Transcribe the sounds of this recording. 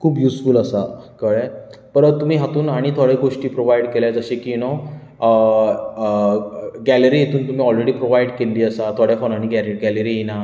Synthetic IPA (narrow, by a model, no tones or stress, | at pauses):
kʰuːbjuːsfuːləsakəɭepəɾt̪um̤iːɦat̪uːnaɽ̃it̪ʰɔɽeɡoʂʈiːpɾoʋajɽkeljad͡zəɕekino | ɡæləɾiːjet̪ʰuːnt̪um̤iːɔlɾeɽiːpɾoʋajɽkelːiːəsat̪ʰɔɽjafonaɽ̃iɡɛɾɡæləɾijena